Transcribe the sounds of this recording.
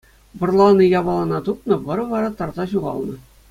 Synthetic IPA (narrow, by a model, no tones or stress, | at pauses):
ʋɤ̆rlˠɑnɤjɑʋɑlˠɑnɑt̪upnɤ̆ʋɤ̆ɾɤ̆ʋɑɾɑt̪ɑrzɑɕuʁɑ̰lˠnɤ̆